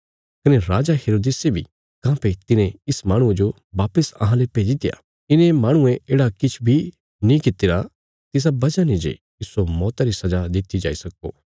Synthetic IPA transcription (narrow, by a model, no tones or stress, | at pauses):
kɐneɾaːd͡ʒaɦeːɾoːd̪eːsebʱḭ | kãːpet̪ɪnẽɪsmaːɽ̃ʊ̃ẽd͡ʒo | ʋaːpəsɐ̰ɦãlepeːd͡ʒit̪eja̰ | ɪnẽmaːɽ̃ʊ̃ẽeːɽakɪt͡ʃʰbʱi | nĩkɪt̪ɪɾa | t̪ɪs̬abɐd͡ʒanĩd͡ʒḛ | ɪsːomɔːt̪aɾisɐd͡ʒad̪ɪt̪id͡ʒa̰ːisɐko̰ː